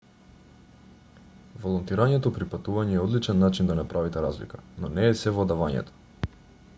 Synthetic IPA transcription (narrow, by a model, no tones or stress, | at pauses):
volˠɔnt̪iɾaɲɛt̪ɔpɾipat̪uvaɲɛːɔd̪lit͡ʃɛnːat͡ʃind̪anapɾavit̪ɛɾazlḭkanɔnɛːsɛvɔd̪avaɲɛ̰t̪ɔ̥